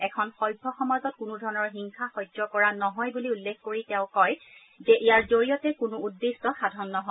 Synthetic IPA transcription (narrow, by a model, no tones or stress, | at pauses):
ɛkʰɔnxɔjbʱːɔxɔmazɔt̚kʊnudʱɔɹɔnɔɹɦiŋxʰaxɔjzɔkɔɹanɔɦɔjbuliulːekʰkoɹitɛ̃ʊ̃kɔj | zɛʔijaɹzoɹijɔtɛkʊnʊudːistɔxadʱɔnːɔɦɔ